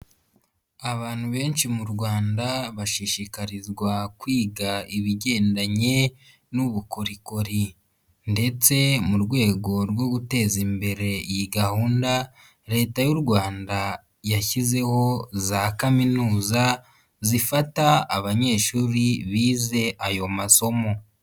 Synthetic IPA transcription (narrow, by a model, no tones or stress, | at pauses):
aβaːn̥huβe̞ːnʃimuɾɡwaːndaβaʃiʃikaɾizɡwakwiːɡaiβiɟe̞ːndaɲe̞ | nuβukoɾiko̞ɾi | nde̞t͡se̞muɾɡwe̞ːɡo̞ɾwo̞ɡute̞zimbe̞ɾe̞ijiɡahuːnda | ɾe̞ːtajuɾɡwaːnda | jaçize̞ho̞zakaminuːza | zifataːβaɲe̞ːʃuːɾiβiːze̞ʔajo̞maso̞mo̞